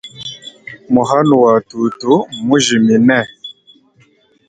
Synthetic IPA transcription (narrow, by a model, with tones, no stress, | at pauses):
mu˨ɦa˦nu˨wa˨tu˨tu˦mu˦ʒi˨mi˨nɛ˦˨